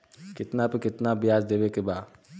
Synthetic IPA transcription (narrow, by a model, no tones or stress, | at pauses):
kɪt̪napekɪt̪nabijaːsd̪ebekebaː